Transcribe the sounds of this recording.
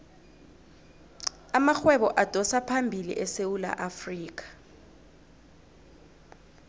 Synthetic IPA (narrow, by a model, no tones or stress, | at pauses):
amaxwɛɓɔʔad̥ʱɔsapʰambʱilḭʔɛsewula̰ʔafriːk̬ḁ